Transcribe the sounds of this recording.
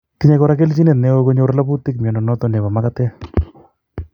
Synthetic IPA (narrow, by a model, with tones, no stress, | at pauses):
ki˦ɲe˦kɔ˦ɾa˦ke˦lt͡ʃi˦ne˨tnɛ˦o˦ko˦ɲo˦ɾla˦pu˦tɪ˦k̚mjɔ˨nɔ˨nɔ˦tɔ˨nɛ˨ba˨ma˦ka˦tɛ˦